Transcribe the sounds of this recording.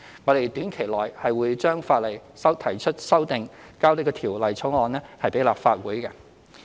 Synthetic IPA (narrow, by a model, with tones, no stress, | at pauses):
ŋɔː˨˧ɾe˨jt̪yː˨˥nkʰe˨˩jlɔː˨˩jhɐ˨jwuː˨˧jt͡ʃœː˥ŋfaː˧t̚lɐ˨˩jsɐ˥wt̪ʰɐ˨˩jt͡ʃʰɵ˥t̚sɐ˥wt̪ɪ˨ŋkaː˥wlɪ˧kɔ˧t̪ʰiː˨˩wlɐ˨jt͡sʰʊ˨˥ŋɔː˨˧nlɛː˥hɐ˨jpe˨˥jlaː˨p̚faː˧t̚wuː˨˥jkɛ˧